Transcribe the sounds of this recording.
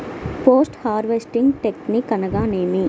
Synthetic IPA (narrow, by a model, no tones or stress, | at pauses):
poːsʈhaːɾʋesʈiŋɡʈeknikɐnɐɡaːneːmi